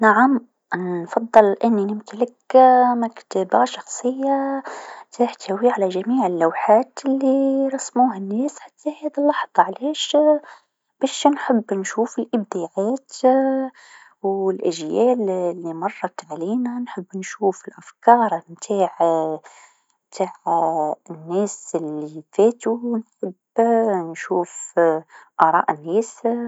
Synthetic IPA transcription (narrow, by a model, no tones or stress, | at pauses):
naʕam | nfɑðˤːɨlʔɪnːinɪmk̪ɪlakmakt̪abaʃɑxsˤɨjːa | t̪ʰaːħt̪ʰawiʕalaʒamiːʕɪlːawħaːt̪ɪlːiɾˤɑsmuːɦanːeːsħḁt̪ʰːahæːd̪ilːɑħðˤɑʕleːʃ | b̥æːʃnħɪbːnʃuːfɪlʔɪb̚d̪iːʕaːt̪ | wɪlʔaʒjæːllːimɑrˤːɑt̪ʕliːnanħɪbːnʃuːfɪlʔafkɑːɾˤmt̪ʰaːʕ | mt̪ʰaːʕ | nːæːsɪlːifeːt̪unħɪb | nʃuːf | ʔɑɾˤɑ̰ːʔɪnːæːs